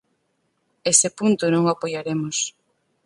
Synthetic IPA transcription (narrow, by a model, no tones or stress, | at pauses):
esepunt̪ʊnõŋapojaɾemos